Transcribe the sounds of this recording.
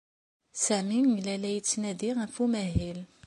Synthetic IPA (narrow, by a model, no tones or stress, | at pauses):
sæminlælæjət͡sːnæd̪iʁæfumæɦil